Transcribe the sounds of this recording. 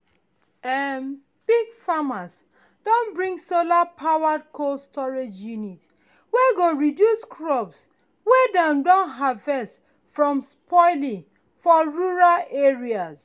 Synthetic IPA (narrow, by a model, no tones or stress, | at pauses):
ɛm | b̥iɡfamas | d̥õnbɹĩŋsolapʰawad̚kʰolstʰɔɹed͡ʒjunit | weɡoɹidjuskʰɹɔps | wedãmdɔ̃nɦavɛst | fɹɔ̃mspʰɔɪlĩŋ | fɔɹuɹalʔeɹias